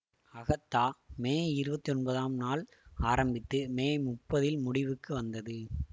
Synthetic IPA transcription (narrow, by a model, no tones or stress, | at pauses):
ɐɣɐt̪ːaːmeːɪɾɯbɐt̪ːiɔnbɐðaːmnaːl | aːɾɐmbɪt̪ːɯmeːmʊpːɐðɪlmʊɽɪʋɯkːɯʋɐnd̪ɐðɯ